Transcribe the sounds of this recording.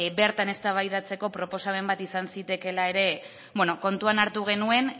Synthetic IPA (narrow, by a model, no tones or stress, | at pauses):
beɾt̪ane̞st̪aβajðat͡se̞ko̞pɾo̞po̞same̞mbat̪isansit̪e̞ke̞laeɾe̞ | bweno̞ko̞nt̪uanaɾt̪uɣ̞e̞nue̞n